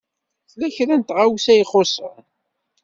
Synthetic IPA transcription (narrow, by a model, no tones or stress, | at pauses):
θlːæçɾænt̪ʁawsæjχosˤə̰ɾ